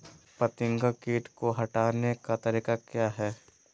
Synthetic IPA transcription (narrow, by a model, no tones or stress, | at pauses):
pɐt̪ɪ̃ŋɡakeːʈkoɦɐʈaːnekat̪ɐɾiːkakjaːɦɛː